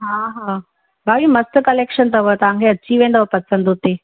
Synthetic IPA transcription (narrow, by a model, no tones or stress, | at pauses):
ɦaɦã | bʱaːʋimɐst̪kɐlekʃənt̪əʋot̪ɐʋ̤ãŋkʰeɐtːt͡ɕiʋẽːnd̪ʋpɐsə̃nd̪ɦut̪e